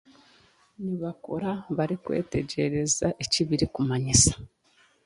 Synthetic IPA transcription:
niβako̞ɾaβaɾikwe̞̰ːte̞ɟe̞ɾe̞zaʔeciβiɾikumaɲisḁ

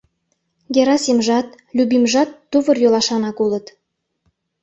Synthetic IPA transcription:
ɡʲeɾɑsimʒɑt̪ | lʲubimʒɑt̪ːuβə̆rjolɑʃɑnɑkulət̪

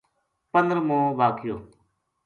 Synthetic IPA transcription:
pənɾmõːʋaːkʰɪjoː

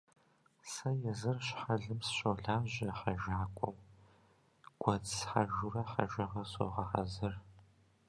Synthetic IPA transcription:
sɐjɛzɨrɕħaɮɨmsɕowɮaːʑɐħaʒaːkʷʼɔw | ɡ̥ʷɐt͡ssħaʒʊrɐħa̰ʒɐʁɐso̰ʁɐħɐ̰zɨr

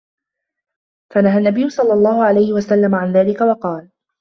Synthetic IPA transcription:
fanaɦanːabɪjːʊsˤɑlːɑlˤːɑːhʊʕalajhɪwasalːamaʕanðaːlɪkawɑqɑːl

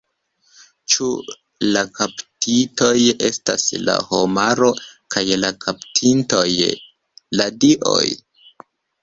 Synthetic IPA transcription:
t͡ʃu | lakaptʰito̞je̞sta̰sla̰ho̞maɾo̞kʰajlakʰaptʰinto̞j | ladiʔo̞̰j

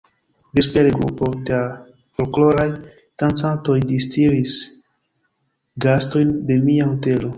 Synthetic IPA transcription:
bespeɾeɡɾṵpo̞dea | fo̞lklo̞ɾaj | tant͡santo̞jdistiɾis | ɡasto̞jnde̞miahote̞lo̞

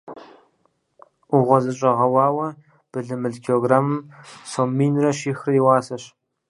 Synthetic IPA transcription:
uʁʷɔzɨɕʼɐʁɐwɑːwɐ | b̥ɨɮɨmɨɮkʰioɡraːmɨmsomːiːnrɐʃiːxriːwaːsɐɕ

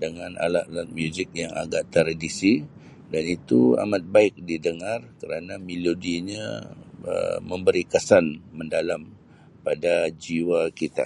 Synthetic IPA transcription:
dəŋanʔa̰laʔ̪̚lat̪̚mjuzɪk̚jaŋa̰ɡaʔt̪əɾdisi | danit̪ua̰mat̪̚baɪk̚didəŋarkəɾanamilodiɲa̰ | ə̰mə̃mbəɾikəsanːəndalam | padad͡ʒiwakit̪a̰

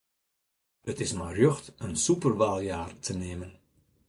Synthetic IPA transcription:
ətɪsmajrjøxtənsupərʋaːlˠjaːrtʰəneːmən

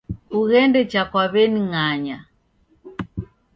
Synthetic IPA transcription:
uɣɛndɛt͡ʃakwaβɛniŋaɲa

